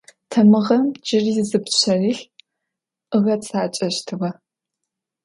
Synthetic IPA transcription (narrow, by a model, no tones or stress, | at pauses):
tʰɐmɨʁɐmd͡ʒɪrizɨpɕɐriːɬ | ʔɨʁɐt͡sʰʼaːt͡ʃʼɐʃtʰɨʁɐ